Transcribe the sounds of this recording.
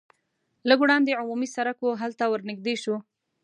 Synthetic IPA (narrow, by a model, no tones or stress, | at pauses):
ləɡwɽɑnd̪eʕʊmumisaɾakoɦalt̪awəɾnɪɡ̚d̪eʃu